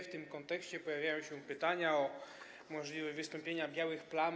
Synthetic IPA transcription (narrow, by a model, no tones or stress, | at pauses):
ft̪ɘmkɔnt̪ɛkɕt͡ɕɛpɔjavʲjajɔ̃w̃ɕɛ̃pɘt̪aɲaɔ | mɔʐlʲivɛvɨst̪ɔmpʲjeɲabʲjawɘxplan